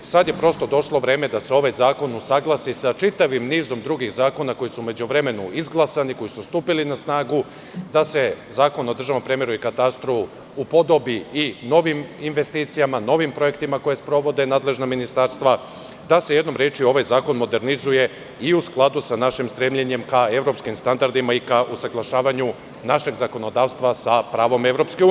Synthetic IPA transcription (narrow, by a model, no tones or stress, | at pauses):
sad̪je̞pɾo̞st̪o̞d̪o̞ʃlˠo̞ʋɾe̞ːme̞d̪ase̞o̞ʋajzaːko̞nusaɡlˠasisat͡ʃit̪aʋimniːzo̞md̪ɾuɡixzaːko̞nako̞jisume̞d͡ʑuʋɾe̞me̞nuizɡlˠasaniko̞jisust̪uːpilinasnaːɡu | d̪ase̞zaːko̞no̞d̪r̩ʒaʋnompɾemjeɾuikat̪ast̪ɾofu | upo̞d̪o̞biino̞ʋiminʋe̞st̪iːt̪sijamano̞ʋimpɾo̞je̞kt̪imako̞je̞spɾo̞ʋo̞d̪e̞naːd̪le̞ʒnaminist̪aɾst̪ʋa | d̪ase̞jed̪nomɾeːt͡ʃio̞ʋajzaːko̞nmo̞d̪e̞ɾnizuje̞ | iusklˠad̪usanaʃimst̪ɾeːmʎeɲe̞mkae̞ʋɾo̞pskimst̪and̪aɾd̪imaikaʔusaɡlˠaʃaːʋaɲu | naʃe̞ɡzako̞no̞d̪aːʋst̪ʋasapɾaːʋo̞me̞ʋɾo̞pskeu